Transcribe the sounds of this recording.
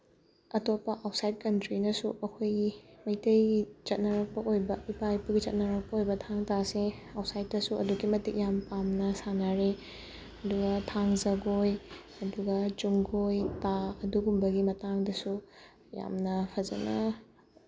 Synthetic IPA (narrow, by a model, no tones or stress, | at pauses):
ɐtopːɐʔawtsajd̚kɐntɾinɐsuʔɐkʰojɡimɐjtɐjit͡ʃɐt̚nɐɾɐk̚pɐʔojbɐipajpuɡit͡ʃɐt̚nɐɾɐk̚pɐojbɐtʰaŋtaseawsajt̚ːɐsuʔɐduɡimɐtik̚jampamnɐsanaɾe | ɐduɡɐtʰaŋzɐɡoj | ɐduɡɐt͡ʃuŋɡojtaɐduɡumbɐɡimɐtaŋdɐsu | ja̰mnɐpʰɐzɐ̰nɐ